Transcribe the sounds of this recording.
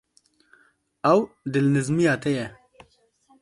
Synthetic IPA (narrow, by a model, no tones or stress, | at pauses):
ɐwd̪ɪlnizmijaːt̪eje